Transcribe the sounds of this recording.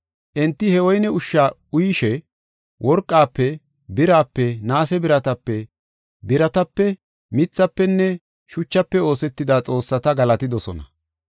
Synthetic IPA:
ʔɛnt̪ːɪhɛwɔjnɛʊʃːaʊjɪʃɛ | wʔɔɾkʼːaːpːɛ | bɪɾaːpːɛnaːsɛbɪɾɐt̪ɐpːɛ | bɪɾɐt̪ɐpːɛ | mɪt͡sːɐpːɛnːɛ | ʃʊt͡ʃːɐpːɛo̞ːsɛt̪ːɪd̪aːt͡sʼo̞ːsːɐt̪ɐɡɐlɐt̪ɪd̪ɔsɔ̰nɐ

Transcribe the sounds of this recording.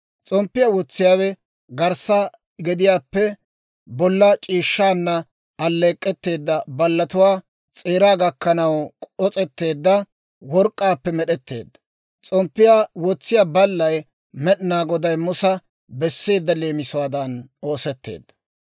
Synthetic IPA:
t͡sʼɔmpːɪjawɔt͡sːɪjaːwɛ | ɡɐɾsa | ɡɛd̪ɪjaːpːɛ | bɔlːɐt͡ʃʼiːʃːaːnːɐ | ɐlːeːkʼːɛt̪ːe̞ːd̪ːɐbɐlːɐt̪ʊwaː | t͡sʼeːɾaːɡɐkːɐnɐwkʼɔt͡sʼɛt̪ːe̞ːd̪ːɐ | wɔɾkʼːaːpːɛmɛɗɛt̪ːe̞̰ːd̪ːɐ̥ | t͡sʼɔmpːɪjaːwɔt͡sːɪjaːbɐlːɐj | mɛɗɪnaːɡɔd̪ɐjmʊsɐ | bɛsːe̞ːd̪ːɐle̞ːmɪsʊwaːd̪ɐnoːsɛt̪ːḛːd̪ːɐ̥

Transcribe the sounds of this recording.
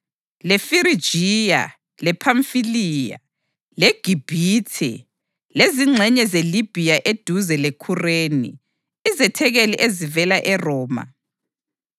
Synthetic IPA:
lɛfiɾid̥ʒ̥ʱija̰ | lɛpʰaɱfiliːja̰ | leɡ̥ʱib̥ʱiːtʰɛ̰ | leziŋ͡ǀʱɛɲɛzelib̥ʱijaʔed̥ʱuzɛlekʰureːnḭ | izɛtʰɛɣeliʔezivɛlaʔɛrɔːma̰

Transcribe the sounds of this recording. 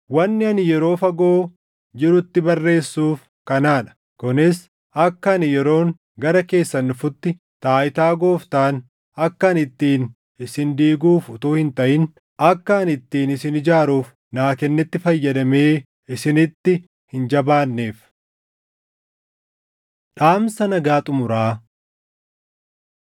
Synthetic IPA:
wɐnːɪɐnɪjɛɾo̞ːfɐɡo̞ː | d͡ʒɪɾʊt̪ːɪbɐrːe̞ːsːuːf | kɐnaːᶑɐ̥ | kʊnɪs | ɐkːɐːnɪjɛɾo̞ːŋ | ɡɐɾɐke̞ːsːɐnːʊfʊt̪ːɪ | t̪aːʔɪt̪aːɡo̞ːft̪aːn | ɐkːɐɐnɪt̪ːiːn | ɪsɪnd̪iːɡuːfʊt̪uːhɪnt̪ɐʔɪn | ɐkːɐːnɪt̪ːiːnɪsɪnɪd͡ʒaːɾuːf | naːkɛnːɛt̪ːɪfɐjːɐd̪ɐmeː | ɪsɪnɪt̪ːɪ | hɪnd͡ʒɐbaːnːeːf | ᶑaːmsɐnɐɡaːt̪ʼʊmʊɾaː

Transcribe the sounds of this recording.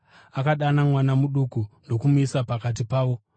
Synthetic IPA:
akaɗanamwanamuɗukuno̞kumuisapakat̬ipaːʋo̞

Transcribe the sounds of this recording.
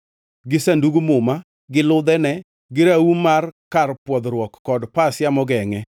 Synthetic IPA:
ɡɪsanduɡumʊma | ɡɪlʊd̪ɛnɛ | ɡɪɾaumarkarpwɔd̪ɾwɔkːɔdpasjamɔɡɛŋɛ

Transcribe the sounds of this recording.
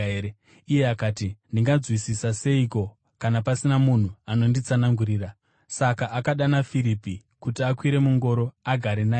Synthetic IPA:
e | ije̞akaːtindiŋɡad͡zwisisase̞iko̞ | kanapasinamun̤uano̞ndit͡sanaŋɡuɾiːra | sakaʔːkaɗanafiɾipi | kutiakwiɾe̞muŋɡo̞ɾo̞aɡʱaɾenaː

